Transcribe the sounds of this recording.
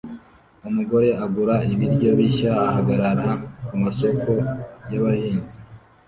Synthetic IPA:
umuɡo̞ɾe̞ʔaɡuɾaiβiɾɟo̞βiʃaːhaɡaɾaɾakumaso̞kʰo̞jaβajiːnzi

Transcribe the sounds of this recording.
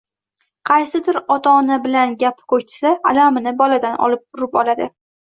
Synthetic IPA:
qʰɑjsɪd̪ɪɾɒt̪ʰaːnabɪlanɡʲapkʰɵt͡ʃʰɪ̥saːlamɪnɪbɒlad̪anʔɒ̰lɪp̚ʊɾɪpɒlad̪ɪ

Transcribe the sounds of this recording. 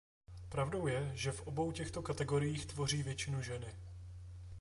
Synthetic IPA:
pɾavdo̞wjɛʒɛfʔo̞bo̞wcɛxt̪o̞kat̪ɛɡo̞ɾɪjiːxt̪vo̞riːvjɛt͡ʃɪnuʒɛnɪ

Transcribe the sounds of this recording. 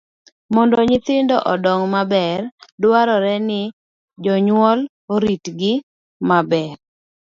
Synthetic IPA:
mɔndɔɲɪt̪ɪndɔʔɔdɔŋmabɛrdwaɾɔɾɛnɪ | d͡ʒɔɲwɔl | oɾitɡɪ | mabɛr

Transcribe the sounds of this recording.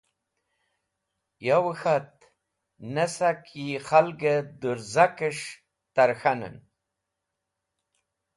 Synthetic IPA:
jawəxat̪̚ | nesakiχalɡed̪uɾzakəʂ | t̪aɾxanə̰n

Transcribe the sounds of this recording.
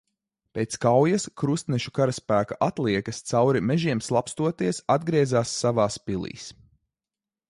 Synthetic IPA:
peːt̪skawjɐskɾust̪nɛʃu̥kaɾaspæːkaʔat̪lˠiɛkɐst̪sawɾimɛʒiɛmslˠapst̪uɔt̪iɛsad̪ɡɾiɛzaːsːavaːspilˠḭːs

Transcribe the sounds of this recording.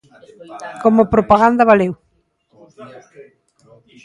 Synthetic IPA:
komopɾopaɣand̪ɐβalew

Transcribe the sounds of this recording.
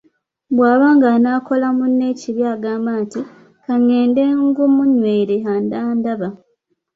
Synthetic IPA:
bwaːβaːŋɡanaːko̞lamune̞ːciβjaːɡaːmbaːnti | kaɲːe̞ːnde̞ːŋɡumuɲwe̞ːɾeaːndaːndaβa

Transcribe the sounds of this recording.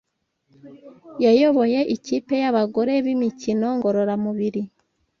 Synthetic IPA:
jajo̞βo̞je̞ʔiciːpe̞jaβaɡo̞ɾe̞βimicino̞ŋɡo̞ɾo̞ɾamuβiɾi

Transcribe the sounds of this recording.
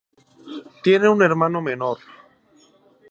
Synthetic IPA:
t̪je̞neune̞ɾmãno̞meno̞ɾ

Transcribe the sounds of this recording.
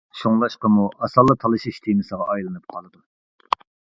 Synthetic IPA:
ʃoŋlˠɑʃqəmuʔɑsɑlˠːɨt̪ʰɑlˠɨʃiʃt̪ʰemɨsəʁɑʔɑjlˠɨnɨp̚qʰɑlˠɨd̪u

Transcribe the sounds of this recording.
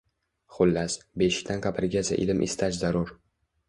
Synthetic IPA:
χʊlːasbeʃɪ̥kʲt̪ʰankʲʰapʰɪɾɡʲasa̰ʔɪlɪmʔɪ̰st̪ʰat͡ʃzaɾʊɾ

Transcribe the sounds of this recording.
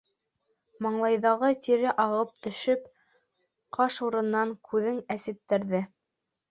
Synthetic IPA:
mɑɴlˠɑjðɑʁɤt̪iɾɘʔɑʁɤp̚t̪ɵ̆ʃɵp | qʰɑʃuɾɤ̆nːɑŋkʰʉðɘŋæsɘ̆t̪ːɘ̆ɾðɘ

